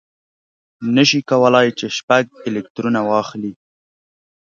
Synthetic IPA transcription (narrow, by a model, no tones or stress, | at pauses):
nəʃikawəlɑjt͡ʃeʃpaɡ̚ɪlɪk̚t̪ɾunawɑxli